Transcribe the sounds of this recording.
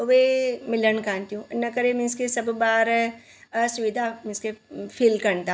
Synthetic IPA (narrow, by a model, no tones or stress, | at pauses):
oʋemɪlənkãːnt̪iũnɐkɐɾemɪnskesɐbbaːɾ | sʊʋid̪ʱamɪnskepʰɪlkɐɳt̪a